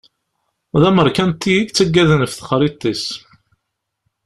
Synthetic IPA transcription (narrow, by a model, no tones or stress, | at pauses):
ðæməɾˤkænt̪ːijiɡt͡sːəɡːæðənfθə̥χɾit̪ˤːis